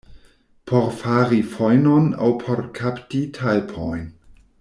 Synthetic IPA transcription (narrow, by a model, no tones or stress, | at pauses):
pʰɔɾfaːɾifɔjnɔna̰wpʰɔɾkʰaptitʰajlpʰɔjn